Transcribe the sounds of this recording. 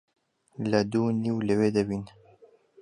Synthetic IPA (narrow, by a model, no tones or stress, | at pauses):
ləd̪uːniwləweːd̪ɐbiːn